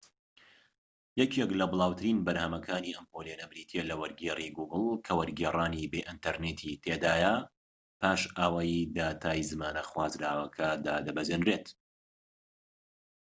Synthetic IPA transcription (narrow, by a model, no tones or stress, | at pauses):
jɛkʰeklɐbɨlˠaːwt̪ʰɨɾiːnbɐɾhɐmɐkʰaːniːʔɐmpolenɐbɾiːt̪ʰelɐwɐɾɡeːriɡuːɡɨlˠkʰɐwɐɾɡeːrˤaːnibeʔint̪ɐɾneːt̪ʰit̪ʰeːd̪aːjɐ | paːʃʔaːwaːjd̪aːt̪ʰaːjzɨmaːnɐxwaːzɾaːwɐkʰɐd̪aːd̪ɐbɐzenɾeːt̪